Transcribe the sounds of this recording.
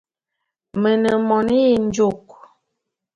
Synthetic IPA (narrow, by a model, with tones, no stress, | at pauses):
mə˨nə˨mɔ˨nə˦ji˨n˦d͡ʒo˨k̚